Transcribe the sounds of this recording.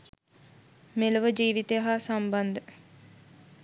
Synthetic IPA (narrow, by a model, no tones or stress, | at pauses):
meləʋəd͡ʒiːʋit̪ejaɦasamband̪ə